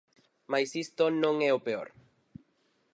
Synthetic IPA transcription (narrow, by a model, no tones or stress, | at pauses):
majsist̪onõŋɛopeo̰ɾ